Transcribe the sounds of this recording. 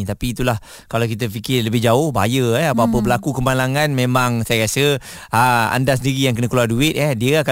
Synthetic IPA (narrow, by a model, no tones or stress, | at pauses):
t̪apiːt̪ulah | kalawkit̪̬əfikɪrləbɪhd͡ʒaʊhba̰jəɛapaapəbəlakukəmanlaŋanmẽmãŋsajəɾasə | aa̰ndasəndiɾijaŋkənəkəluarduɪt̪̚ɛhdiəaka